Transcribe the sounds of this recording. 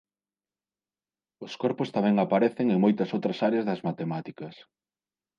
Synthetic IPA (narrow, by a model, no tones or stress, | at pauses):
ʊskɔɾpʊst̪amɛ̃ŋapaɾɛθeŋeŋmojt̪ɐsowt̪ɾɐsaɾeɐzðɐzmat̪emat̪ikɐs